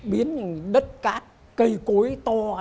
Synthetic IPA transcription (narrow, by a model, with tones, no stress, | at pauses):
ɓi˨˦ən˨˩ɗə˦˥t̚kaː˦˥k̚ːə˧jku˨˦əjt̪ɔ˧